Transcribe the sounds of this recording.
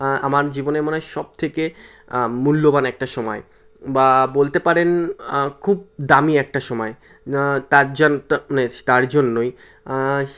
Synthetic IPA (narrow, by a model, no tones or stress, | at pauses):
amaɾd͡ʑiboneɾmoneʃɔb̚t̪ʰeke | mulːobanɛk̚ʈaʃɔmɔe | babolt̪epaɾenkʰub̚d̪amiɛk̚ʈaʃɔmɔe | t̪aɾd͡ʑnanet̪aɾd͡ʑonːoj